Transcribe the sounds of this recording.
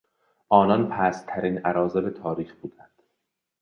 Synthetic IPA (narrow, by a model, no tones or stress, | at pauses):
ʔɒːnɒnpʰæst̪ʰæɾiːnʔæɾɒːzebet̪ʰɒːɾiːxbuːd̪ænd̪̥